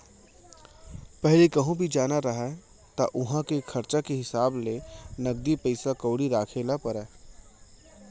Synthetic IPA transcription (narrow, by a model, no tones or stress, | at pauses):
pɛɦlikɐɦũbʱid͡ʒaːnaɾɐɦa | t̪aʔʊɦãkekʰɐɾt͡ʃakeɦɪsaːblenɐɡ̚d̪ipəɪsakoːɽiɾaːkʰeːlapɐɾɛː